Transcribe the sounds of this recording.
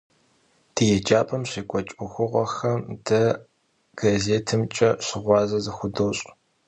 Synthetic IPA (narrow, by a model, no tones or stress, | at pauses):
d̥ijɛd͡ʒaːpʼɐmɕiːkʷʼɔt͡ʃʼʊxʷʊʁɐxɐmd̥ɐ | ɡ̥azeːtʰɨmt͡ʃʼɐɕɪʁʷɑːzɐzɨxʷʊdowɕʼ